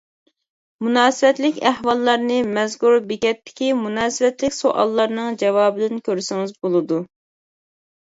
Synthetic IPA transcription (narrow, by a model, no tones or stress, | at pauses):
munɑːsɨvɛt̪lɪkʲæhwɑlˠːɑɾnɨmɛzɡuɾbɪkʲɛt̪ːɪ̥kʲimunɑːsɪvɛt̪lɪkʲsoʔɑ̰lˠːɑɾnɨŋd͡ʒɛwɑːbɪd̪ɪnkʲʰøɾsɪŋɪzbolˠɨd̪u